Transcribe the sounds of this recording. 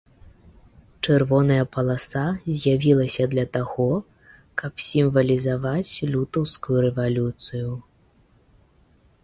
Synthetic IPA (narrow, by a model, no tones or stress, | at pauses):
t͡ʂɛrvɔnɐjɐpɐlˠasazʲjavʲilˠɐsʲɐd̪lʲɐt̪aɣɔ | kɐpsʲimvɐlʲizavat͡sʲlʲut̪ɐwskujuɾɛvalʲut̪sɨju